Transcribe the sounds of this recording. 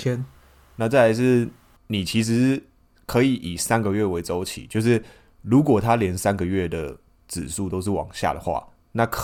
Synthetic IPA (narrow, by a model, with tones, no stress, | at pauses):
ɛ˦n | na˥˧t͡sa˥˩ɪja˧˦ɪʂɻ̩˥˩ | ni˨˩t͡ɕʰi˨˥ʂɻ̩˧˦ | kʰɤ˧˦i˨˩ʔi˨˩sa˦nɡə˨ɥɛ˥˩we˧˥ɪt͡so˥˦ʊt͡ɕʰḭ˨˩˦t͡ɕjo˥˧ʊʂ̬ɻ̩˥˩ | lu˨˥k̬wɔ˨˩t̪ʰa˦ljɛ˧˦nsa˦nɡə˨ɥɛ˥˩d̪ə˩ | t͡sɻ̩˨˩ʂu˥˩t̪o˥ʊʂɻ̩˥˩wɑ̰˨˩ŋɕja̰˥˩d̪ə˩xwa̰˥˩ | na˥˩kʰ